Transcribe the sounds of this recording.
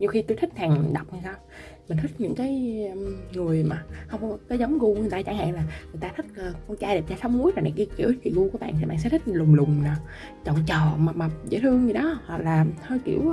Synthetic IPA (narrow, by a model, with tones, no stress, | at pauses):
ɲɨ˧xi˧t̪jt̪ʰk̟̚t̪ʰaː˨˩ŋɗa˨˩wk͡p̚ha˧jsaː˧w | mi˨˩ŋ̟t̪ï˦˥k̟̚ɲɨ̰˧˥ŋkaː˨˦j | ŋɨ˨˩əjmaː˨˩hə˧wŋ͡mkɔ˨˦zə˨˦wŋ͡mɣu˧˨˩jt̪aː˧t͡ɕa˧˩ŋha̰ː˧˨ŋlaː˨˩ŋɨ˨˩jt̪aː˧t̪ʰï˦˥k̟̚la˨˩kt͡ɕaː˧jɗeː˨˩p̚t͡ɕaː˧sa˨˦wmu˨˦əjmaː˨˩nɗa̰˨˩ki˧˦kḭ˧˩əwkḭ˧˨ɣu˧ku˧˦ɓa̰ː˧˨nt̪ʰi˨˩ɓa̰˧˨sɛ̰˧˥t̪ʰï˦˥k̟̚lʊ˨˩ŋ͡mlʊ˨˩ŋ͡mnaː˨˩ | t͡ɕɔ̰˧˨nt͡ɕəː˨˩ma˨˩ma˨˩p̚zḛ˧˥˦t̪ʰɨ˧əŋɲi˧˩ɗɔ˨˦hwa˨˩k̚laː˨˩həː˧jkḭ˧˩əw